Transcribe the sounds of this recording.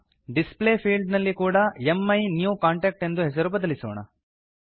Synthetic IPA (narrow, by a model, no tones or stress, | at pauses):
ɖispleːpʰiːlɖnɐlːikuːɽɐemːɐjnjuːkaːɳʈeːk̚ʈe̞nd̪uɦes̬ɐɾubɐd̪ɐliso̰ːɳɐ̰